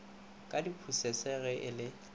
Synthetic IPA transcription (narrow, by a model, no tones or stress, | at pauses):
kʼadipʰusɛsɛɣɛʔɪlɪ